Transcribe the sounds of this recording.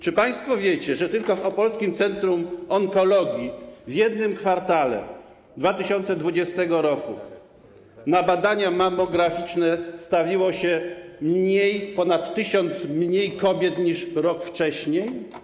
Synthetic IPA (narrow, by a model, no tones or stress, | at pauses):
t͡ʂɘpaj̃st̪fɔvʲjet͡ɕɛʐɛt̪ɘlkɔfɔpɔlskʲimt̪sɛnt̪ɾumɔŋkɔlɔɡʲjivʲjɛd̪nɘmkfaɾt̪alɛ̰ | d̪vat̪ɘɕɔnt̪sɛd̪vud͡ʑɛst̪ɛɡɔɾɔku | nabad̪aɲamamɔɡɾafʲit͡ʂnɛst̪avʲiwɔɕɛmɲejpɔnat̪ːɘɕɔnt̪smɲejkɔbʲjɛt̪ɲiʂɾɔkft͡ʂɛɕɲej